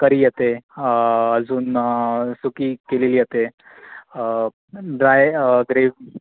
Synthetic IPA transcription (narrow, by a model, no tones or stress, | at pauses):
kəɾijet̪e | əd͡zuːnsukiːkelilijet̪e | ɖɾajɡɾeʋ